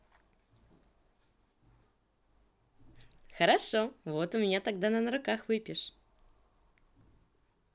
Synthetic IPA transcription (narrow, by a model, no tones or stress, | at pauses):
xəɾaʂovot̪ʊmʲɪnʲat̪aɡ̚d̪anənɾʊkaxvɨpʲɪʂ